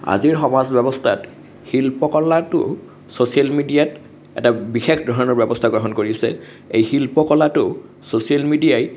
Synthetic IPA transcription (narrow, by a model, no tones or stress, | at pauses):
a̰ziɹxɔmasbɛbɔstʰa̰t | hilpɔkɔlatʊ̰ | sosijalmidijat | ɛ̰tabixekʰdɹɔɦɔnɔɹbɛbɔstʰaɡɹɔɦɔnkoɹisɛ̰ | ejxilpɔkɔlatʊ | sosialmidiaj